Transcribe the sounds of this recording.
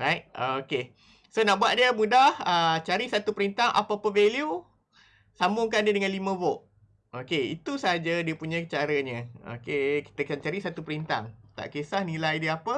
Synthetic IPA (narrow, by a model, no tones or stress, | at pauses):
ɾajt̚oke | sonaʔbuaʔ̪̚diəmudahət͡ʃaɾisat̪upəɾint̪aŋʔa̰papəvelju | sambʊŋkandiədəŋãnlimə̃voʔ | okeḭt̪usəɦad͡ʒədiəpuɲat͡ʃaɾəɲə̃o̰keki̥t̪əkant͡ʃaɾisat̪upəɾint̪a̰ŋt̪a̰ʔkesahnilajdiəapə